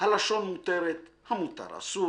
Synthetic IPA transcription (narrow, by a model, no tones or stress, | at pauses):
halaʃo̞nmut̪eɾet̪hamut̪a̰ɾa̰su